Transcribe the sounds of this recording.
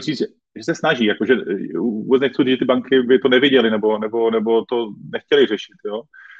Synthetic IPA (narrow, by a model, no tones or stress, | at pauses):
riːʒɛ | ʒɛsɛsnaʒiːjakoʒɛuṵbɛt͡sɲɛxt͡suiʒɛt̪ɪbaŋkɪbɪt̪onɛvjɪɟɛlɪnɛbo̞nɛbo̞nɛbo̞t̪o̞nɛxcɛlɪrɛʃɪ̥t̪joː